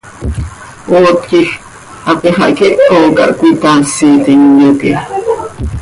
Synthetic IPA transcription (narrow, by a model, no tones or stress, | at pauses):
oːt̪kix | apeɦaʔkeʔkoka̰ʔkʷit̪asit̪iŋjoke